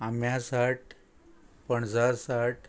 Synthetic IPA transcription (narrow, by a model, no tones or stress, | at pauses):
amjasaʈ | pəɳd͡zasaʈ